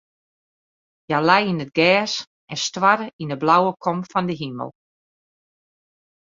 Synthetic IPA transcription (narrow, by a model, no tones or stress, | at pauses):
jalajinəd̚ɡɛːs | ɛnstwaɾəindəblawəkʰɔmfɔndəɦimə̰lˠ